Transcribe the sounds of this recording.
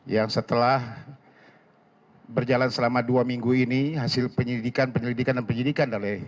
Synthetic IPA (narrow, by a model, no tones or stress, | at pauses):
jaŋsət̪əlah | bərd͡ʒalansəlamaduamiŋɡuiniɦasɪlpəɲəlidikanpəɲəlidikandanpəɲidikandalɛ